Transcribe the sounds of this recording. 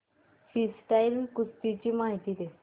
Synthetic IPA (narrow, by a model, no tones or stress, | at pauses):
fisʈailkust̪it͡ɕiːmaɦit̪iːd̪e